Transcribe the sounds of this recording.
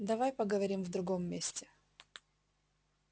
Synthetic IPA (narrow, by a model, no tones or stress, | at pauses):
d̪ɐvajpəɡəvɐɾʲimvd̪ɾʊɡomːʲesʲtʲɪ